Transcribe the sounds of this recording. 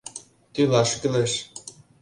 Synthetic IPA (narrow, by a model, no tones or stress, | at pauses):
t̪ylɑʃkɘ̆lɘ̆ʃ